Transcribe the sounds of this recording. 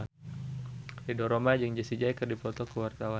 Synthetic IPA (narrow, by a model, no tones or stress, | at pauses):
idɔɾomad͡ʒəŋd͡ʒasid͡ʒajkərdipɔt̪ɔkəwart̪awa